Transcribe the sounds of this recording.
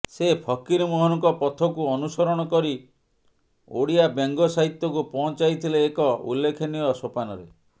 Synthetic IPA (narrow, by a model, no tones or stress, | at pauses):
sepʰɔkiɾmɔɦɔnɔŋkɔpɔt̪ʰɔkuɔnusɔɾɔɽ̃ɔkɔɾi | o̰ɽiabeŋɡɔsaɦit̪ːɔkupɔɦɔ̃nt͡ʃajt̪ʰileːkɔṵlːekʰeniɔsopanɔɾe